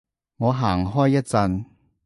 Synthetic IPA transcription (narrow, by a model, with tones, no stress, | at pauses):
ŋɔː˨˧ɦaː˨˩ŋɦɔː˥jjɐ˥t̚t͡sɐ˧n